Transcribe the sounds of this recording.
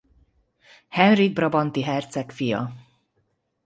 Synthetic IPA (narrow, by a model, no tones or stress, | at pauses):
hɛnriɡ̚brɒbɒnt̪iɦɛrt̪sɛkfijɒ̰